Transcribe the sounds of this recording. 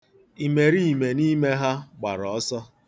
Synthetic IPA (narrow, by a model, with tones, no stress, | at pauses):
i˨me˨ɾi˦˨me˨ni˦me˦ɦa˦ɡ͡ba̰˨ɾɔ˨ɔ˦sɔ˦